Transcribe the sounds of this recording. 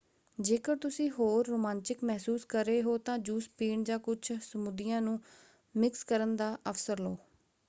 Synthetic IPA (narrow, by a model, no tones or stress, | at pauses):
d͡ʒeːkəɽt̪ʊsĩːɦoːɾːoːmãːnt͡ʃɪkmɛɦsuːskəɾeːɦoːt̪ãːd͡ʒuːspiːɳd͡ʒãːkʊt͡ʃʰsəmud̪ɪjãːnũː | mɪkskəɾənd̪aːʔəfsəɾloː